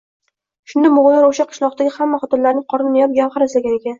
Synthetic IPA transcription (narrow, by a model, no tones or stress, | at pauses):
ʃʊnd̪amʊʁʊlaɾoʃaqʰɨ̥ʃlˠɒq̚t̪aɡʲɪhamːaχɒt̪ɨnlaɾnɪŋqʰɒɾɪnnajɒp̚ɡʲamχaɾɪslaɡʲanekʲan